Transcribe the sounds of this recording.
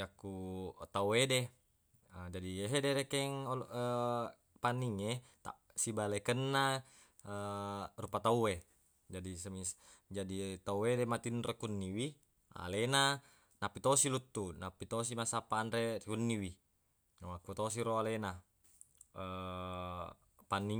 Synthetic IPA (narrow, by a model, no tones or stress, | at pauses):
akːut̪auede | əd͡ʒadieɦedeɾekɛŋə | paniŋet̪a̰ | sibalekənːa | ərupat̪aue | d͡ʒadisəmisd͡ʒadit̪auedemat̪inrekunːiwi | a̰lena | napːit̪osilut̪ːunapːit̪os̬imasapanɾekunːiwi | wakut̪os̬iɾoalena | ə | panːi